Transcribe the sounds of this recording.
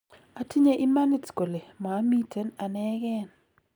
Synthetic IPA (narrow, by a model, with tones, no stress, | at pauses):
a˨tʰi˦ɲe˦ʔi˦ma˦ni˦tko˨le˨maː˨˦mi˦tʰe˦na˨nɛ˦ɡɛ˦n